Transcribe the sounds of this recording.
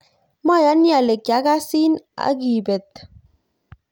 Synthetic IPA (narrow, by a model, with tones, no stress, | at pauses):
ma˦˨ja˨˦nja˨le˨kːa˨˦ka˦si˦na̰˨˦ɡi˨be˨t̪